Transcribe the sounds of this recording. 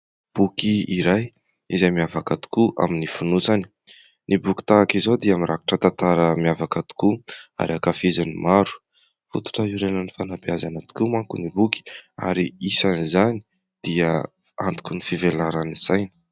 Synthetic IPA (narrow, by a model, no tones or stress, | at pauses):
b̥ukiiɾaj | izajmiavakat̪u̥kuʔa̰minifunut͡sani̥ | nibuki̥t̪aːkizod̪iamiɾʔaki̥ʈ͡ʂət̪ant̪aɾəmiavakat̪u̥kua̰ɾiakafizanimaɾu̥ | fut̪u̥ʈ͡ʂəiɾenanifanapiazanat̪u̥kʲumaŋkunibuki̥a̰ɾiisanizani̥ | d̪̥iə | ant̪u̥kʲunifivelaɾaniz̥ajni̥